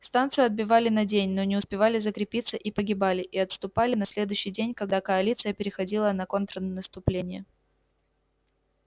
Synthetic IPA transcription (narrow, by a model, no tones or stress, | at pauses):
st̪ant̪sɨjʊɐd̪̚bʲɪvalʲɪnɐdʲenʲno̞nʲɪʊspʲɪvalʲɪzəkɾʲɪpʲit̪səʔipəɡʲɪbalʲɪʔiɐt̪st̪ʊpalʲɪnɐsʲlʲe̞d̪ʊɕːɪjdʲenʲkɐɡd̪akəɐlʲit̪sɨjəpʲɪɾʲɪxɐdʲilˠənɐko̞nt̪ɾənəst̪ʊplʲenʲɪjə